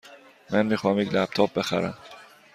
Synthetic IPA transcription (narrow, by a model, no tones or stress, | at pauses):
mɛnmiːxɑːæmiclæp̚t̪ʰɔp̚bɛxæ̰ɾæ̰m